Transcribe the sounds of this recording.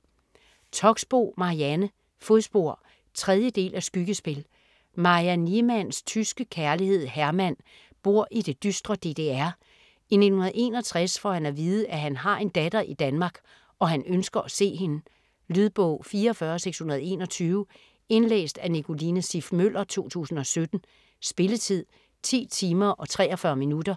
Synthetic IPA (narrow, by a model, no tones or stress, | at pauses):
t͡sʰɒ̽ɡ̥sb̥ɔ̰ːmɑ̈iænə | fosb̥o̝ɐ̰ | t͡sʰʁɛð̞ˠjəd̥e̝̰ːlæsɡ̥yɡ̥əsb̥e̝l | mɑ̈iænimænst͡sʰysɡ̥əkʰæɐlihe̝ð̞̰ˠhæɐmæn̰ | b̥o̝ɐ̰ʔid̥e̝d̥ysd̥ʁɐd̥e̝̰ːd̥e̝æɐ̰ | ine̝̥n̩hunɐð̩ˠe̝̰ːnɒ̽t͡sʰʁasfɒ̰hænæʋiːð̩ˠʔæɦænɦɑ̈e̝nd̥æd̥ɐʔid̥ænmɑ̈ːɡ̥ | ʔɒ̽hænønsɡ̥ɐʔæse̝̰ːɦe̝nə | lyðˠb̥ɔʊ̰fiːɐːfɶːɐseɡ̥shunɐð̞̩ˠe̝̰ːnɒ̽t͡sʰyːʊ | e̝nlḛːsd̥ænikʰo̝linəsifmøl̰ʔɐt͡sʰo̝̰ːt͡sʰṵːsn̩ɒ̽sød̥n̩ | sb̥e̝lət͡sʰið̞̰ˠ | t͡sʰḭːt͡sʰiːmɐʔɒ̽t͡sʰʁɛ̰ːɒfɶːɐminud̥ɐ